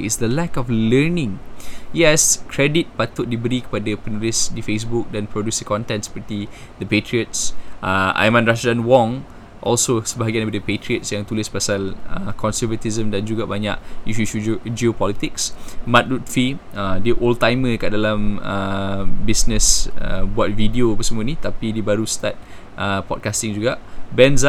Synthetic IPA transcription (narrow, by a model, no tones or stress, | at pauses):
isdəlɛkɔflənĩŋjɛskʰɹɛdit̪̚pat̪ʊʔ̚dibəɾikə̥padəpənulisdifes̬buk̚dɛ̃npɹodjusdəkɔ̃nt̪ɛ̃ntspət̪idəpetɹiət̚sʔəa̰jmãnɹasdãnwɔ̃ŋ | ʔɔ̰lsosəbaɦaɡianbidəpetɹiətsjãŋt̪uləspasaləkʰɔnsəvət̪izə̃mdand͡ʒuɡabaɲa̰ʔiʃuud͡ʒiopɔlit̪iksmãt̪̚lut̪̚fi | ədəʔolt̪ajməkaʔdalaməbisnəsəbuat̪̚vidiopəsəmũənĩt̪apidibaɾust̪at̪̚ | ʔəpɔd̚kast̪ĩŋd͡ʒuɡabɛnz